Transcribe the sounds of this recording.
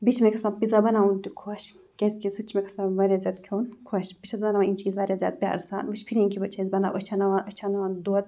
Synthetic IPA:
bit͡ʃʰmekʰɐsaːpizabɐnaunt̪ikʰoʃ | kʲesʲkʲisut͡ʃʰmekʰɐ̥saʋɐːɾʲaːzʲjaːd̪̚kʰoːnkʰoʃbiʃʰɐzbɐnaʋaimt͡ʃʰiːzʋaːɾʲjazʲja̰ːd̪̚pʲa̰ːɾsa̰ːnʋət͡ʃpʰiɾiːnkʰibɐt͡ʃʰɐzbɐna̰ʔət͡ʃʰanɐʋaʔət͡ʃʰanɐʋaːnd̪oːt̪̚

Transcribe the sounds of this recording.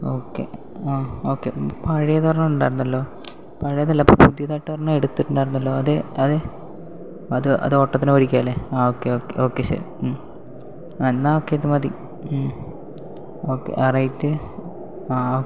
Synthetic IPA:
o̞ːkːḛ | aːoːkːḛpɐɻijɐðʋɐrɐɲːɐuɳɖaːjiɾunːɐlːo̞ː | pɐɻijɐðɐlːɐpːo̰pud̪ijɐðaːʈːɨpɐrɐɲːaeɽut̪ːɨʈːuɳɖaːjiɾunːɐlːo̞ːɐðɨɐðɨ | ɐðɨʔɐ̰ðoːʈːɐt̪ːinɨɐɾikʲːaːleaːoːkːeoːkːḛo̞ːkːesɐ̰ɾ | m | enːaoːkːeɐt̪ːɨmɐði | oːkːḛʔɐrijitːɨ | aːo

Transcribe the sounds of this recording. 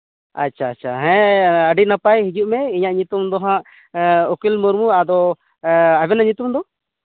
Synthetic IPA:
a̰tːʃʰaːt͡ʃʰa̰ɦɛ̃əɖinapajɦid͡ʒuʔmɛiɲaʔɲut̪umd̪ɔɦãʔ | ɔkilmuɾmuad̪ɔ | abɛnaɲut̪umd̪ɔ

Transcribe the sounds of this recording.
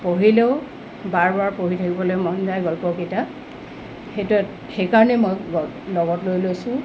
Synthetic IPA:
poɦileʊ | baɹbaɹpoɦitʰakibɔlojmɔnzajɡɔlpɔketa | xetu | xekaɹɔnɛmɔjɡ | lɔɡɔtlojlojsʊ̃

